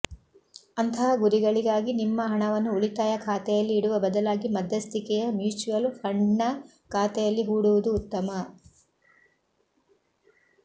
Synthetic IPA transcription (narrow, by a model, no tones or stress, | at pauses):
ɐnt̪ʰɐɦɐɡuɾiɡɐɭiɡaːɡinimːɐɦɐɳɐʋɐnːuuɭit̪aːjɐkʰaːt̪ɛjɐlːiːɽuʋɐbɐd̪ɐlaːɡimɐd̪ʱːɐst̪ikɛjɐmjuːt͡ʃuʋɐlpʰɐɳːɐ | kʰaːt̪ɛjɐlːiɦuːɽuʋud̪uːt̪ːɐmɐ